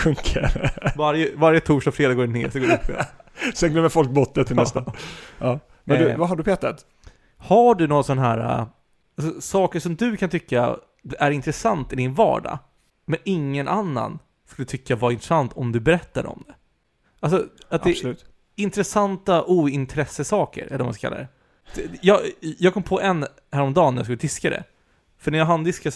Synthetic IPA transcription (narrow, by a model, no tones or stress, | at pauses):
kɵŋkʰɛvaɾjəvaɾjət̪ʰuːʂɔfɾeːd̪aɡoːɖɛneːsɔɡoːɾɵpʰːɛ̰sɛnɡ̪ɛməfɔlk̚bɔt̪ːət̪ʰːɪlɛst̪aʔɑː | mɛd̪vaɦaɖɵpʰɛt̪ːat̪ | haɖɵnɔːɾasɔnɦæːɾa̰ | alsɔsɑːkəʂɔmd̪ɵkʰant̪ʰʏkːa̰ | æɾɪnt̪ɾɛsant̪ɪd̪ɪnvɑ̰ːɖa̰ | mɛnɪŋːənʔanːa̰n | skɵlːət̪ʰʏkːavaɾɪnt̪ɾɛsant̪ʰɔmd̪ɵbɛɾɛt̪ːad̰ɔ̰md̪ɛ | ʔals̬ɔat̪d̪ɛslʉːt̪ | ɪnt̪ɾɛsant̪aʔuːɪnt̪ʰɾɛsəsɑːkə̰ɾɛ̰lːɛma̰skakʰa̰ːa̰d̪ɛ | jɑːjɑːɡ̚kɔmːpʰɔʔɛn | hæːɾɔmd̪ɑːnːæɾja̰skɵlːtd̪ɪskad̪ɛ̰ | fœɳæɾjaɦand̪ɪska